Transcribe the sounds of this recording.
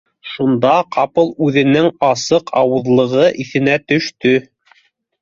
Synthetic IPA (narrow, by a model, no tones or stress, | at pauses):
ʃund̪ɑqɑpɤlˠʉðɘ̆nɘŋɑsɤqʰɑwɤ̆ðlˠɤ̆ʁɤʔiθɘ̆næt̪ɵ̆ʃt̪ɵ